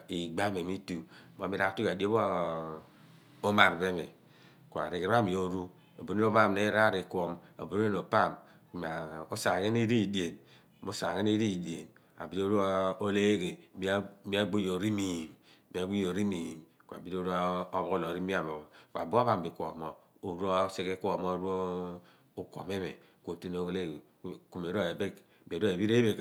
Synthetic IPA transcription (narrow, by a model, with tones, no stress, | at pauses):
i˨ɡ͡ba˦me˨mi˦tu˨mo˨mi˦ɾa˦tu˦ka˨di˦o˦βo˦ | o˦ma˨ɾbe˦mḛ˨ | ku˨a̰˨ɾi˨kɾa˦˨mi˨o˦ɾu˦ | o˨bu˨ɾe˦o˦pa˦˨m˨ne˦ɾa˦˨ɾi˨ko˨mo̰˨bu˨ɾo˦e˦no˨pa˦˨m | ku˨ma˨o˦sa˨ɣe˦n˦i˦ɾi˦˨de˨n˨ | mo˦sa̰˨ɣe˦n˦e˦ɾi˦˨de˨n | a̰˨bi˦ɾo˦ɾu˦o˦le˦ɡe˨bi˦bi˦a˦ɡ͡bo˦jo˨ɾi˦mi˨m˦ | ba˨˦bu˦jo˨ɾi˦mi˨m | kʷa̰˨bi˦ɾo˦ɾa˦bo˦o˦lo˨ɾi˦mi˦a˨mo˨kʷa̰˨bo˦βa˨m˨bi˨kʷo̰˨mo˨ | o˨ɾo˦se˦ke˦kʷo˨mo˦ɾo˦ | o˦kʷo̰˨me˦βḛ˨ | kʷo˨te˦no˦le˦ɡ | ku˨me˨˦ɾo˦e˨be˦k | bi˨do˦e˨bi˦ɾe˦be˨k